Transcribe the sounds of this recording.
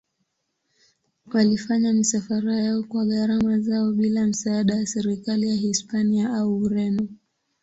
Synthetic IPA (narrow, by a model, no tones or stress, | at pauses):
walifaɲamisafaɾajaɔkwaɠaɾamazaɔɓilam̩saːɗajasɛɾikalijahispaniaʔauɾɛnɔ